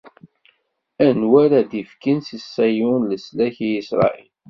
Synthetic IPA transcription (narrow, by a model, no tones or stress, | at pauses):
ænwæɾæd̪ifkinsisːæjʊnləslæçijisɾˤɑ̰ʔil